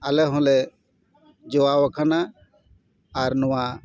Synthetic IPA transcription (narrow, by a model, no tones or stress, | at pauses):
alɛɦɔ̃lɛ | d͡ʒɔawəkʰana | ɾnʊwa